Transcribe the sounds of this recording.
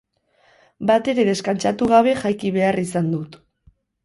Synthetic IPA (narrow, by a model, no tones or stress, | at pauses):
bat̪e̞ɾe̞ðe̞skant͡ʃat̪uɣ̞aβ̞e̞ʝajkiβ̞e̞arisand̪ut̪